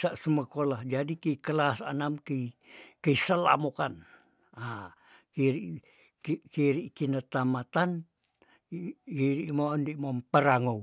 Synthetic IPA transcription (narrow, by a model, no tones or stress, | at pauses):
saʔsəməkolahd͡ʒadikəikəlasa̰namkəikəisəla̰mokan | a | kiɾiʔ | kkiɾiʔkinət̪amat̪an | kiɾiʔmondiʔmompəɾaŋow